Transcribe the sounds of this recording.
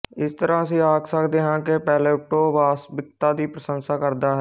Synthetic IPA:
ɪst̪əɾãːəs̬ĩːaːksəkd̪eːɦãːkepɛːleːʊk̚ʈoːʋaːsbɪk̚t̪aːd̪iːpɾəsənsaːkəɾd̪aːɦɛː

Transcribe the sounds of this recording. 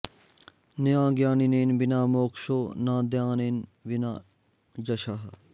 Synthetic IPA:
nɐjãːɡjaːnineːnbinaːmoːkʃoːnãːd̪jãːneːnʋina̰ː | d͡ʒɐʃaɦ

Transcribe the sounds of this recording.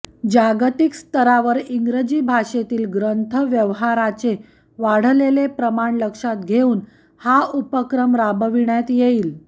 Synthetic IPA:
d͡ʑaɡt̪ikst̪əɾaʋəɾiŋɡɾəd͡ʑiːbʱaʂet̪iːlɡɾənt̪ʰəʋjəʋɦaɾat͡ɕe | ʋaɽ̤əlelepɾəmaɳləkʂat̪ɡʱeuːn | haupəkɾəmɾabəʋiɳjat̪jeiːl

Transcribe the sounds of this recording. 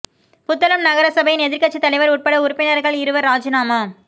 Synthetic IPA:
pʊt̪ːɐlɐmnɐɣɐɾɐsɐbɐjɪnɛðɪɾkɐʈt͡ʃːit̪ːɐɭɐɪʋɐɾuːʈ̚pɐɽɐʊɾɯpːɪnɐɾɣɐɭɪɾɯʋɐɾaːd͡ʒɐnaːmaː

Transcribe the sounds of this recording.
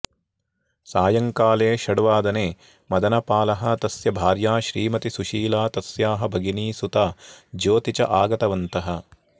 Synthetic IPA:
saːjɐŋkaːleːʃɐɽʋaːd̪ɐneː | mɐd̪ɐnɐpaːlɐɦɐt̪ɐsjɐbʱaːɾjaːʃɾiːmɐt̪isuʃiːlaːt̪ɐsjaːɦɐbʱɐɡiniːsut̪aːd͡ʒoːt̪it͡ʃɐ̰ʔaːɡɐt̪ɐʋɐnt̪ɐɦɐ̆

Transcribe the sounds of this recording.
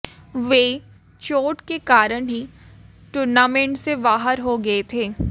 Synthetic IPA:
ʋeː | t͡ʃoːʈkekaːɾənɦi | ʈʊːɾnaːmẽɳʈseʋaːɦəɾɦoɡɐet̪ʰeː

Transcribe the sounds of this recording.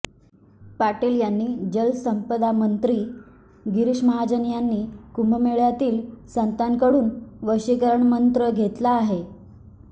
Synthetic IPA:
paʈeljanːiːd͡ʑəlsəmpəd̪amənt̪ɾiː | ɡiɾiʂməɦad͡ʑənjanːiːkumbəmeɭjat̪iːlsənt̪ankəɽuːnʋəɕikəɾəɳmənt̪ɾəɡʱet̪laːɦe

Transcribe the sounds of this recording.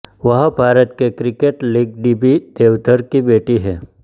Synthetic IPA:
ʋɐɦbʱaːɾət̪kekɾɪkeːʈlɪɡ̚ɖibid̪̥eːʋt̪ʰəɾkibeːʈiɦɛː

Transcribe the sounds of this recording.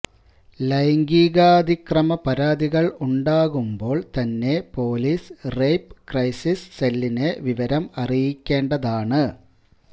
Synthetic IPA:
lɐjŋɡiːɣaːd̪ʱikrɐmɐpɐɾaːðiɣɐɭuɳɖaːɣumbo̞ːɭt̪ɐnːe̞po̞ːlisrejpkrɐjsisselːineʋiʋɐɾɐmɐrijikʲːe̞ːɳɖɐðaːɳɨ

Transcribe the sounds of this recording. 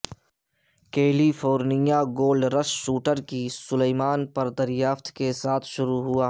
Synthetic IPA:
keːlifʰoːɾnɪjaɡoːlɖɾəsʃuːʈəɾkisʊleːmaːnpɐɾd̪ɐɾjaːft̪kesaːt̪ʰʃʊɾuɦʊaː

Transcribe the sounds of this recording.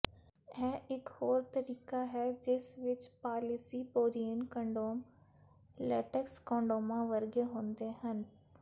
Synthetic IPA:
ɛːʔɪkhoːɾt̪əɾiːkaɦɛːd͡ʒɪsʋɪt͡ʃpaːlɪsiːpoːɾijənkə̃ɳɖoːm | lɛːʈəkskɔ̃ːɳɖoːmãːʋəɾɡeɦõːnd̪eːɦən

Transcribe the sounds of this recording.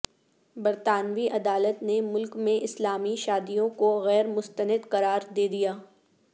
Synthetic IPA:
bɐɾt̪aːnʋiʔɐd̪aːlət̪nemʊlkmẽʔɪslaːmiʃaːd̪ijõkoɣɛːɾmʊst̪ənəd̪qɐɾaːɾd̪eːd̪ijaː

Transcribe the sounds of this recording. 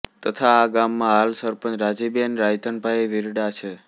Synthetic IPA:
t̪ət̪ʰaːɡamːãɦalsəɾpə̃nt͡ʃɾad͡ʒibenɾajt̪əɳbʱaeʋiɾɖat͡ʃʰe

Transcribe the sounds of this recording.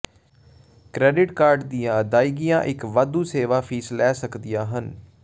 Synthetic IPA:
kɾɛːɖɪʈkaːɾɖd̪ijãːd̪aːiːɡɪjãːʔɪkʋad̪ũːseːʋaːpʰiːslɛːsəkd̪ijãːɦən

